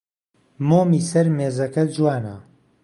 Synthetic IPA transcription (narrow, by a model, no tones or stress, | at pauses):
moːmiːsɐɾmeːzɐkɐd͡ʒuwaːnɐ̰